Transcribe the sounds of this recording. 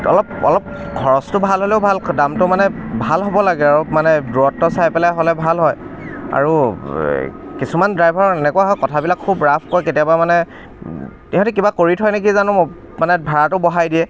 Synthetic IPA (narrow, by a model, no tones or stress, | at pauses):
ɔ̰lɔp̚ɔ̰lɔp̚ | ɡʱɔɹɔstʊbʱalɦolɛʊbʱaldamtʊmanɛbʱalɦobɔlaɡɛaɹumanɛdɹuɔtːɔsajpɛlajɦolɛbʱalɦɔja̰ɹu | kisumandɹajbʱaɹɔɛnɛkʊaɦɔjkɔtʰabilakʰːubɹapʰkɔjketijabamanɛ | tiɔ̃tɛkibakoɹitʰɔjnek̬izanʊ | manɛbʱaɹatʊbɔɦajdiɛ